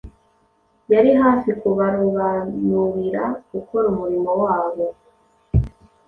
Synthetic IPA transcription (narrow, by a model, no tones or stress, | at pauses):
jaɾiɦaːfikuβaɾuβanuɾiɾaɡuko̞ɾumuɾimo̞waːβo̞